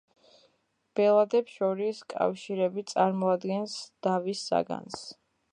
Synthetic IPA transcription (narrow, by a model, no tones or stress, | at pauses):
b̥ɛlˠad̪ɛpsʃɔɾiskʼa̰fʃiɾɛbit̪sʼaɾmɔad̪ɡɛnsd̪̥avisːa̰ɡa̰ns